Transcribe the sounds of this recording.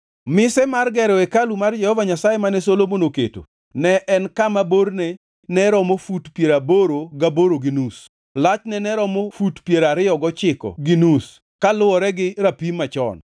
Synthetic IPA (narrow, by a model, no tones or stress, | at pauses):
mɪsɛmarɡɛɾɔɛkalumard͡ʒɛhɔvaɲasajɛmanɛsolomonokḛto̰ | nɛʔɛnkamabornɛ | nɛɾɔmofutpjeɾaboɾoɡaboɾoɡinus | lat͡ʃnɛnɛɾɔmofutpjeɾaɾɪɔɡɔt͡ʃɪkɔ̰ɡinus | kalʊwɔɾɛɡɪɾapimat͡ʃɔ̰n